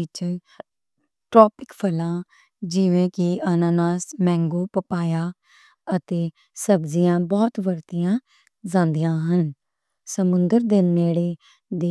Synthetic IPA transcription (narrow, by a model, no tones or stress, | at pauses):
t͡ʃ | ʈɾɔːpɪkpʰəlãː | d͡ʒiʋẽːkɪənaːnaːsmɛ̃ːŋɡoːpəpaːjaː | ət̪eː | səbzijãːbɔːt̪ʋəɾt̪ijãː | zãːnd̪ijãːɦən | səmʊ̃nd̪əɾd̪ɪnmeːɽeː | d̪eː